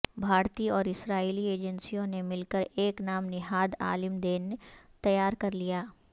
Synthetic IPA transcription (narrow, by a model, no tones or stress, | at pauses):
bʱaːɾt̪iɔːɾɪsɾaːiːlieːd͡ʒənsijõnemɪlkəɾeːknaːmnɪɦaːd̪a̰ːlɪmd̪eːnːet̪ɐjaːɾkɐɾlijaː